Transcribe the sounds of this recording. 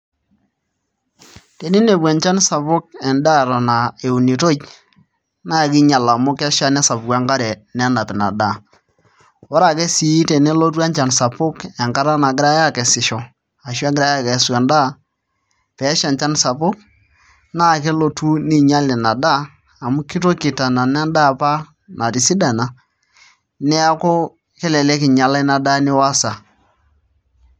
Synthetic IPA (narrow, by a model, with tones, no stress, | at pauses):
te˨ni˦ne˨bwa˨nt͡ʃa˦n˦sa˨pʊ˦k̚ɛ˨nda˦˨ɾa˨na˨e˨u˨ni˨to˦t͡ʃ | na˦˨k̬ɪ˦ɲa˨la˨mʊ˦kɛ˦ʃa˦nɛ˦sa˨pʊ˨ka˦ŋɡa˦ɾɛ˨nɛ˦na˨tna̰˨da˦˨ | ɔ˦ɾa˨ke˦si˨˦te˨ne˦lo˦t̬wa˦nt͡ʃa˨nsa˨pʊ˦kɛ˨ŋka˦ɾa˦na˨ɡɪ˦ɾa˦ja˦˨kɛ˨sɪ˨ʃɔ˨ | a˨ʃwa˦ɡɪ˦ɾa˦ja˦˨kɛ˨˦su˨a˨nda˦˨ | pɛ˨˦ʃa˨nt͡ʃa˦nsa˨pʊ˦k̚ | na˦˨kɛ˦lo˨tu˦ni˦ɲa˦lɛ˨na˨daː˦˨ | mu˦ki˦to˦kɪ˨ta˨na˨nɛ˦nda˦˨pa˦ | nʔa˨ti˨si˦da˨na˨ | nɛ˦a˦ko˦ | kɛ˦lɛ˨lɛ˦kɪ˨ɲa˨la˦i˦na˨da˦nɪ˦wa˦sa˨